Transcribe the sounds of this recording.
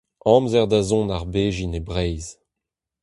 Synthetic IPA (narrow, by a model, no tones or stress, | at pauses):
ɑ̃ːmzɛʁd̪azɔ̃naʁbeːʒinebʁɛjz